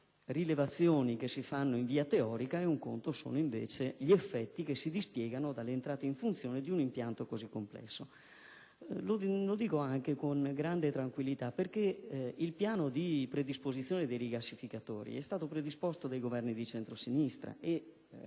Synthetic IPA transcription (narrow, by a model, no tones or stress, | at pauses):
rilevat̪sːjoːnik̟esːifanːoiɱviːat̪eɔːɾikaeuŋko̰nt̪oso̰ːnoiɱvḛːt͡ʃeʎiefːɛt̪ːikesːid̪ispjɛːɡanod̪alːeːnt̪ɾaːt̪eiɱfunt̪sjoːned̪iunimpjant̪okozikːomplɛ̰sːo | lolod̪iːkoaŋk̟ekoŋɡɾand̪et̪ɾaŋkwilːit̪aperkeilpjaːnod̪ipɾed̪ispozit̪sːjoːned̪ejɾijklasːifikat̪oːɾḭɛst̪aːt̪opɾed̪ispost̪od̪ajɡovɛrnid̪it͡ʃɛnt̪ɾosinist̪ɾa̰ʔe